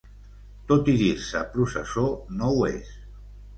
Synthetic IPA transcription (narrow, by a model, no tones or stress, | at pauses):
t̪ot̪iðiɾsəpɾusəsonowḛs